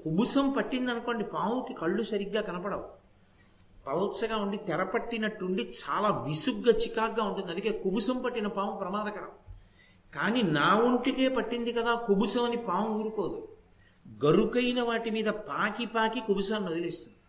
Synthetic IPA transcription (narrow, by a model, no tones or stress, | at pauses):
kubusɐmpɐʈːind̪ɐnuko̞ːɳɖipaːmukikɐɭːusɐɾiɡːaːkɐnɐpɐɽɐwu | pɐlsɐɡaːuɳɖit̪ɛɾɐpɐʈːinɐʈːuɳɖit͡ʃaːlaːʋisuɡːɐt͡ʃikaːɡːaːuɳʈund̪ɐnd̪ukeːkubusɐmpɐʈːinɐpaːmɐpɾɐmaːd̪ɐkɐɾɐ̰m | kaːniːnaːuɳʈike̞ːpɐʈːind̪ikɐd̪aːkubusɐmɐnipaːmuːɾukoːd̪u | ɡɐɾukɐjnɐʋaːʈimiːd̪ɐpaːkipaːkikubusɐːniod̪ɐleːst̪und̪ii